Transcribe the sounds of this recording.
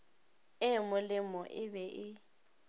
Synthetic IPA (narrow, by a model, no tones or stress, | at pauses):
ɪmʊlɪmɔʔɪbɛʔɪ